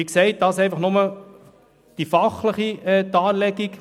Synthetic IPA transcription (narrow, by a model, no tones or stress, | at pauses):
ikseɪt̚d̥̪ɑsɛɪjfɑχnʊmə | d̥ifɑχləχiɛt̪ɑːɾlɛɡik